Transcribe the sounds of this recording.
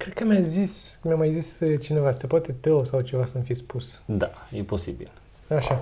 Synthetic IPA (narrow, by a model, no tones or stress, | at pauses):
kɾed̪kəmjazismʲjamajzist͡ʃinevasəpoat̪e̞t̪əwsawt͡ʃevasənufispusd̪ajeposibḭl | aʃa